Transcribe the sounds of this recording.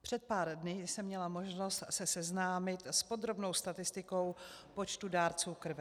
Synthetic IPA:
pr̝̥ɛt̪̚paːɾdnɪsɛmɲɛlamo̞ʒno̞st̪sɛsɛznaːmɪt̪spo̞d̪ɾo̞bno̞wst̪at̪ɪst̪ɪko̞wpo̞t͡ʃt̪udaːɾt͡suːkr̩vɛ

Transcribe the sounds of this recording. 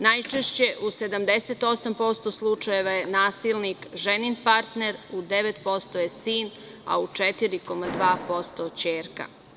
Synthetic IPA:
najt͡ʃeʃt͡ɕe̞ʔuse̞d̪amd̪eset̪o̞sampo̞st̪o̞slˠut͡ʂaje̞ʋajenaːsilˠnikʒeninpaɾt̪ne̞ɾud̪e̞ʋet̪po̞st̪ojesiːn | a̰ut͡ʂet̪iɾiko̞mad̪ʋaːpo̞st̪ot͡ɕeːɾka̰

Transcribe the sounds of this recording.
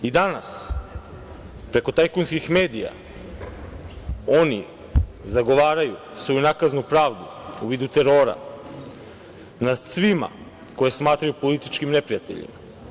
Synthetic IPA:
id̪anas | pɾe̞ko̞t̪ajkunskixme̞ːd̪ija̰ | o̞ni | zaɡo̞ʋaːɾaju | sʋo̞junakaznupɾaːʋd̪u | uʋiːd̪ut̪e̞ɾo̞ːɾa̰ | nad̪sʋima̰ | ko̞je̞smaːt̪ɾajupo̞lit̪i̥t͡ʃkimne̞pɾijat̪e̞̰ʎḭma

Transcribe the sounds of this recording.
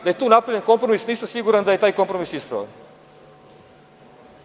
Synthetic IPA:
d̪ɐɛjt̪uːnapɾivʲlʲenkompɾomisnisɐmsiɡuɾɐnd̪ɐɛjt̪ajkõmpɾomisispɾɐ̰vɐ̰n

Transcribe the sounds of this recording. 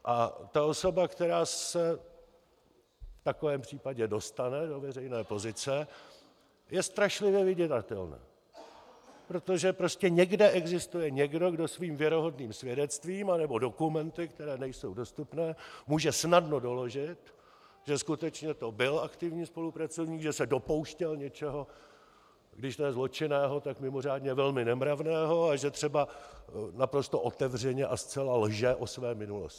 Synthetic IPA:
ʔa̰t̪ao̞so̞bakt̪ɛɾaːsɛ | ft̪ako̞vɛːmpr̝̥iːpaɟɛdo̞st̪anɛdo̞vɛrɛjnɛːpo̞zɪt͡sɛ | jɛst̪ɾaʃlɪvjɛvɪɟɛt̪at̪ɛ̰lna̰ː | pɾo̞t̪o̞ʒɛpɾo̞scɛɲɛɡdɛʔɛɡzɪst̪ujɛɲɛɡdo̞ɡdo̞sviːmvjɛɾo̞ɦo̞dniːmsvjɛdɛt͡st̪viːmanɛbo̞do̞kumɛnt̪ɪkt̪ɛɾɛːnɛjso̞wdo̞st̪upnɛːmuːʒɛsnadno̞do̞lo̞ʒɪt̪ | ʒ̥ɛskut̪ɛt͡ʃɲɛt̪o̞bɪlʔakt̪ɪvɲiːspo̞lupɾat͡sovɲiːkɡʒɛsɛdo̞po̞wʃcɛlɲɛt͡ʃɛɦo̞ | ɡdɪʃt̪ojɛzlo̞t͡ʃɪnɛːɦo̞t̪akmɪmo̞r̝aːdɲɛvɛlmɪnɛmɾavnɛːɦo̞aʒɛt̪r̥ɛba | napɾo̞st̪oʔo̞t̪ɛvrɛɲɛʔast͡sɛlalʒɛʔosvɛːmɪnuloscɪ̥

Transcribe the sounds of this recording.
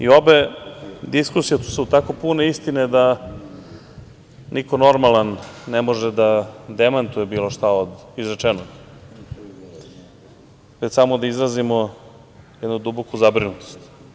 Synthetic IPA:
io̞be̞d̪iskusijet̪u̥sut̪ako̞pune̞ist̪ined̪a | nʔiko̞no̞ɾmalanːemo̞ʒed̪ad̪emant̪ujebiːlˠo̞ʃt̪aod̪izɾet͡ʃɛnoɡ | ʋet͡ɕsamod̪aizɾazimo | jɛd̪nud̪ubokuzabɾinut̪o̥st̪

